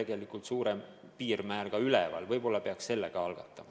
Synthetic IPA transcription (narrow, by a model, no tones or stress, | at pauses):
e̞ɡ̥e̞likˑult̪suːɾe̞m | piːrmæːlɡ̥ɑylevɑ̰lvɤjb̥o̞lːɑpe̞ɑksse̞lːe̞ɡ̥ɑɑlɡ̥ɑt̪ːˑɑmɑ